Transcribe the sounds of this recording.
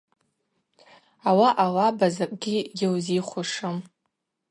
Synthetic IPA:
awaʔawabazakʷʼɡʲiɡʲɪwziχʷʊʂɨm

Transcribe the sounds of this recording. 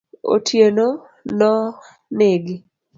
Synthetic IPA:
o̰tʰjeno | lɔ | neɡi

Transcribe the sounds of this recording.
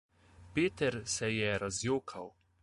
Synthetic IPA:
peːt̪ɛɾsɛjɛɾazjoːkʰaw

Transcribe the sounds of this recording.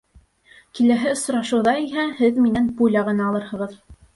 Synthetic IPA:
kilæɦɘŏsɾɑʃɤ̆wðɑiɦæhɘðminænpulʲɑʁɤ̆nɑːlˠɤɾhɤ̆ʁɤð

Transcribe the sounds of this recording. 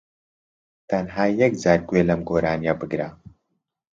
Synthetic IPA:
t̪ʰɐnɦaːjɐk̚d͡zaːɾɡweːlɐmɡoːɾaːnijɐbɨɡɾa

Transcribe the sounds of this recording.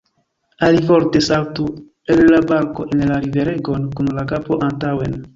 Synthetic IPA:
alifo̞ɾte̞sawtu | elːabaɾko̞ʔenlaɾive̞ɾe̞ɡo̞nkunlakapo̞ʔantawe̞n

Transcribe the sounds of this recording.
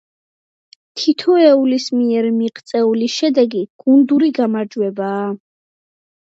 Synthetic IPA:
t̪ʰit̪ʰɔɛulismiɛɾmiqʼt̪sʼɛuliʃɛd̪ɛɡiɡ̥und̪uɾiɡamaɾd͡ʒwɛbaː

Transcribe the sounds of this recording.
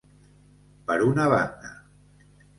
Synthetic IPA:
pəɾunaβand̪a

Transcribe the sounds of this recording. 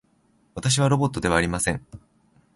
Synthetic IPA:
βat̪aɕ̬iβ̞aɾo̞bo̞t̪ːo̞d̪e̞βaːɾʲimasẽ̞ŋ

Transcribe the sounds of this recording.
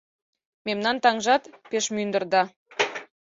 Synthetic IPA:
memnɑnt̪ɑŋʒɑt̪peʃmynd̪ə̆rd̪ɑ

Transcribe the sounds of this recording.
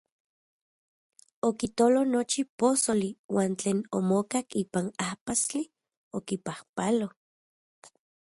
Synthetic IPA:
okit̪olonot͡ʃiposoliwaːnt͡ɬeːnomokakiːpanahpast͡ɬi | okipahpalo

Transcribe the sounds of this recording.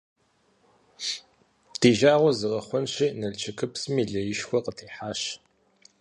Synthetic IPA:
tʰiːʒaːʁʷɔzɨʁɐχʷɔnɕiːnɐɮt͡ʃʰɐkʰɨpsɨmiːɮɐjɪʃxʷɔqətʰiːħaːʃ

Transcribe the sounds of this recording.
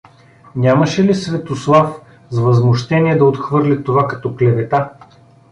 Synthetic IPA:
nʲamɐʃɛlisvɛt̪oslˠaf | zvɐzmoʃt̪ɛniɛd̪ɐot̪xvɤɾlʲit̪ovakɐt̪ɔklɛvɛt̪a

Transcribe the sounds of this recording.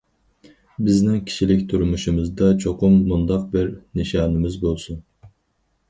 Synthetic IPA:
bɪznɪŋkʲʰi̥ʃilɪkʲt̪ʰuɾmuʃumɨzd̪ɑt͡ʃʰoqʰumːund̪ɑq̚bɪɾniʃɑːnɨmɪzbolˠsun

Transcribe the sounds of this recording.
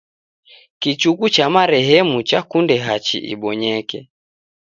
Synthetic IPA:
kit͡ʃukut͡ʃamaɾɛɦɛmut͡ʃakundɛɦat͡ʃḭʔḭɓɔɲɛkɛ

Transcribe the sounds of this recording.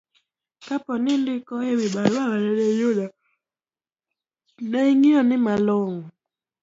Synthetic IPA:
kapɔnɪndɪkɔewɪɓaɾawaɾedejuda | nɛŋiɔnɪmaloŋɔ

